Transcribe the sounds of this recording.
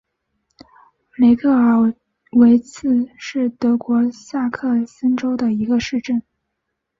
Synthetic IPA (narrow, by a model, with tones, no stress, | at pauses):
le˧˥ɪkʰɤ˥˩ə˞˧˥˩ | we˧˥ɪt͡sʰɹ̩˥˧ʂɻ̩˥˩t̪ɤ˧˥kwɔ˧˥sa˥˧kʰɤ˥˩sə˥nʈ͡ʂo˥ʊd̪ə˨i˧˥ɡə˧ʂɻ̩˥˧ʈ͡ʂə˥˩n